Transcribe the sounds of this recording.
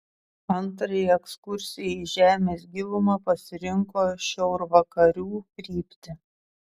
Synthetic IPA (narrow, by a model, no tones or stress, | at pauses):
ɐnt̪ɾɐjɛkskʊɾʲsʲɪjɛɪʒʲæːmʲeːs̬ɡʲɪʋʊmɐpɐsʲɪɾʲɪŋkoːʃʲɛʊɾʋɐkɐɾʲuːkɾʲiːpʲt̪ʲɪ